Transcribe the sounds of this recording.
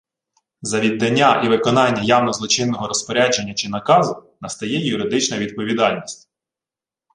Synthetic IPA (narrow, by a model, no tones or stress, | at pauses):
zɐʋʲid̪ːɐnʲːaʔiʋɪkɔnɑnʲːɐjɑwnɔzlˠɔt͡ʃɪnːɔɦɔɾɔspɔɾʲad͡ʒenʲːɐt͡ʃɪnɐkɑzʊnɐst̪ɐjɛjʊɾɪd̪ɪt͡ʃnɐʋʲid̪̚pɔʋʲid̪ɑlʲnʲisʲtʲ